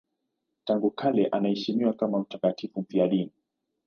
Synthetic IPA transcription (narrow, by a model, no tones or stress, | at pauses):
taŋɡukʰalɛʔanahɛʃimiwakamam̩takatifum̩fiaɗini